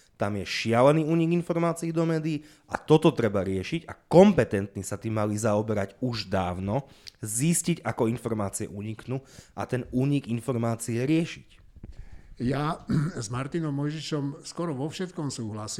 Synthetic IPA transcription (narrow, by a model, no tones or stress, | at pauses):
t̪amjɛʃɪalɛniːuːɲiɡinfɔɾmaːt͡siid̪ɔmɛːd̪iː | a̰t̪ɔt̪ɔt̪ɾɛbaɾɪɛʃiɟa̰kɔmpɛt̪ɛnt̪ɲisat̪imalizaɔbɛɾaɟuʒd̪aːʊnɔzisciɟakɔinfɔɾmaːt͡siɛ̰ʔuːɲiknuʔa̰t̪ɛnuːɲiɡinfɔɾmaːt͡siɛɾɪɛʃic | jazmaɾt̪inɔmːɔjʒiʃɔmskʊɔɾɔʋɔfʃɛt̪̚kɔmsuːɦlasi